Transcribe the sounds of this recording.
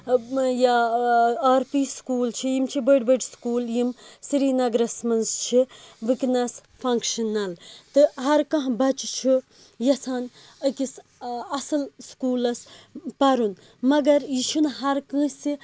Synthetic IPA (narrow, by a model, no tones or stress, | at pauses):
ja | aːɾpiːskuːlt͡ʃʰijimt͡ʃʰibəɖbəɖskuːljimsiɾiːnɐɡɾɐsmɐnst͡ʃʰiʋiknɐs | fʰɐŋkʃɐnːɐlt̪ɨɦɐɾkɐ̃ɦbɐt͡ʃt͡ʃʰi | jɐsaːn | ɐkis | ɐsɨlskuːlɐspɐɾun | mɐɡɐɾjiʃʰunɦɐɾkɐ̃si